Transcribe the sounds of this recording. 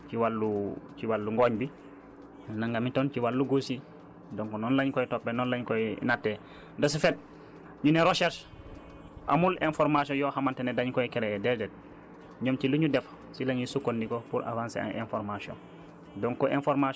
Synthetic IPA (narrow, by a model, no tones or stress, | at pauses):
t͡ʃiwalːuciwalːuŋɡoːɲbi | naŋɡamitont͡ʃiwalːuɡosi | doŋkonɔnlaɲkoitopːenɔnlaɲkoinatːe | dos̬ifet̚ | ɲuneɾoʃeɾʃ | ʔa̰mulenfoɾmasiɔ̃njohamantenedaɲkoikeɾedɛdet̚ | ɲomt͡ʃiluɲudef | silaɲjisukːondikopuɾʔa̰vaːnsḛa̰ʔḛnfoɾmasõ̰n | doŋkɔʔenfoɾma